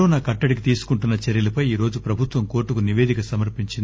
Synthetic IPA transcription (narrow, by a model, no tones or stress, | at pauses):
oːnaːkɐʈːɐɽik̬it̪iːsu̥kuɳʈunːɐt͡ʃeɾjɐlɐpɐjiːɾo̞ːd͡ʒupɾɐbʱut̪ʋɐmko̞ːʈːukuniʋeːd̪ikɐsɐmɐɾpiɲt͡ʃind̪